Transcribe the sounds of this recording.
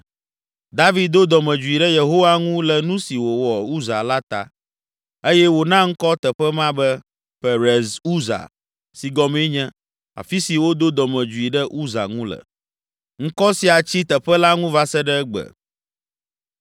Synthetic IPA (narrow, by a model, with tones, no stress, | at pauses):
d̪a˦vi˨d̪̚d̪o˦d̪ɔ˨mɛ̃˨d͡ʒu˨i˨ɖɛ˦je˨ɦo˦wa˦ŋũ˦lɛ˨nũ˦si˨wo˨wɔ˨u˦za˨la˦t̪a̰˨ | e˦jɛ˦wo˨nã˦ŋ̩˦kɔ˦t̪ɛ˨ɸɛ˦mã˦bɛ˦ | ɸɛ˨ɾɛ˨zu˦za̰˨ | si˨ɡɔ˨mẽ˦ɲɛ̃˦ | a̰˨fi˦si˨wo˦d̪o˦d̪ɔ˨mɛ̃˨d͡ʒu˨i˨ɖɛ˦ʔu˦za̰˨ŋũ˦lə̰˨ | ŋ̩˦kɔ˦si˨a˨t͡ɕi˦t̪ɛ˨ɸɛ˦la˦ŋũ˦va˦sɛ˦ɖɛ˦ɡ͡bə̰˨